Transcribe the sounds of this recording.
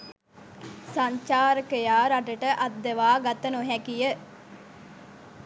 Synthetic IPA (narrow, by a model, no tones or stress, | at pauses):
sɐɲt͡ʃaːɾəkəjaːɾaʈəʈəʔɐt̪̚d̪əʋaːɡɐt̪ənoɦɛkijə